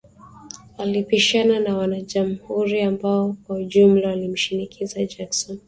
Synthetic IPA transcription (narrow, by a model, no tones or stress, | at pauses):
walipiʃananawanaʄam̩huɾiambaɔkwauʄum̩lawalim̩ʃinikʰizad͡ʒaksɔn